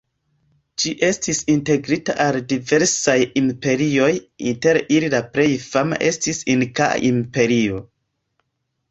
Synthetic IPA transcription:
d͡ʒiʔe̞stisinte̞ɡɾitaʔaldive̞ɾsajimpe̞ɾio̞jḭnte̞ɾililapɾe̞jfama̰ʔe̞stisinkaa̰ʔimpe̞ɾio̞

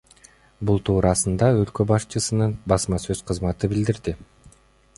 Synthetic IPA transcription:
bulˠt̪ʰuːɾɑsɯnd̪ɑø̞lkøbɑʃt͡ʃɯsɯnɯnbɑsmɑsø̞z̥qʰɯzmɑt̪ɯbild̪iɾd̪i

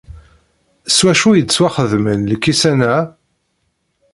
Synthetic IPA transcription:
swæʃujəd̪t͡sːwæχəðmənləkːisænæ

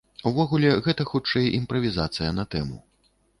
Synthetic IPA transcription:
uvɔɣulʲɛɣɛt̪ɐxut͡ʂɛjimpɾɐvʲizat̪sɨjɐnɐt̪ɛmṵ

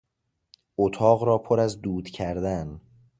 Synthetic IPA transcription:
ot̪ʰɒːɣɾɒːpʰoɾæzd̪uːd̪̥cʰæɾd̪æn

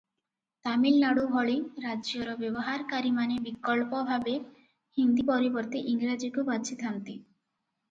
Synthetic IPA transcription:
t̪amilnaɽubʱɔɭiɾad͡ʒjɔɾɔbjɔbɔɦaɾkaɾimanebikɔɭpɔbʱabe | hind̪ipɔɾibɔɾt̪iʔiŋɡɾad͡ʒikubat͡ʃʰit̪ʰant̪i

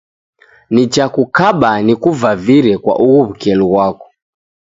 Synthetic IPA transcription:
nit͡ʃakukaɓanikuvaviɾɛkwa̰ʔuɣuβ̩kɛluɣwakɔ̥

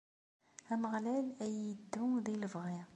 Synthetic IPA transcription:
æməʁlælæjəd̪ːʊðiləvʁi

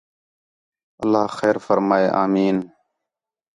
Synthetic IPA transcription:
əlːaːxeːɾfəɾmaːeːʔaːmiːn

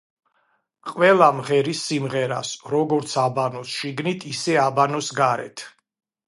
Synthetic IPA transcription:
qʼwɛlˠamʁɛɾisːimʁɛɾa̰sɾɔɡɔɾt̪sʰabanɔsʃiɡnit̪ʰisɛabanɔsɡaɾɛ̰t̪ʰ

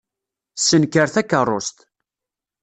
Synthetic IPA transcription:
sənkəɾθækːərˤːost̪

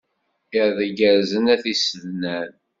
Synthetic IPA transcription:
iɾðəɡəɾzənæθisəðnæn

